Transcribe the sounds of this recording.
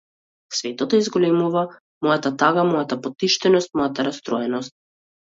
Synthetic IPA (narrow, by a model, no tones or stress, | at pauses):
svɛt̪ɔt̪ɔizɡɔlɛmuva | mɔjat̪at̪aɡamɔjat̪apɔt̪iʃt̪ɛnɔst̪mɔjat̪aɾast̪ɾɔɛnɔst̪̚